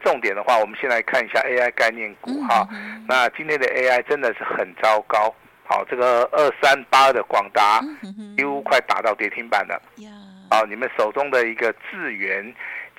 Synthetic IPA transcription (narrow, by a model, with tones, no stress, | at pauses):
ʈ͡ʂʊ˥˩ŋt̪jɛ˨˩nd̪ə˦xwa˥˩wɔ˨˩mə˦nɕjɛ˥˧˨nla˧˥ɪkʰa˥˩ni˨˩ɕja˥˧˨ʔe˥ɪa˥ɪka˥˧ɪnjɛ˥˩nku˨˩˦xɑ˥˩na˥˩t͡ɕi˥njɛ˥˩nd̪ə˨ʔe˥ɪa˥˩ɪʈ͡ʂə˦nd̪ə˨ʂɻ̩˥˩xə˨˩nt͡sɑ˥ʊkɑ˥ʊ | xɑ̰˨˩ʊʈ͡ʂɤ˥˩ɡə˩ə˥˩sa˦npa˥ə˥˩d̪ə˩kwɑ˨˩ŋt̪a˧˥t͡ɕi˧˥u˥kʰwa˥˩ɪt̪a̰˨˩t̪ɑ˥˩ʊt̪jɛ˧˥t̪ʰi˥ŋpa̰˨˩nd̪ə̰˦hɑ˥˩ʊni˨˩mə˦nʂo˨˩ʊʈ͡ʂʊ˥ŋd̪ə˨i˧˥ɡə˧t͡sɹ̩˥˩ɥɛ˧˦n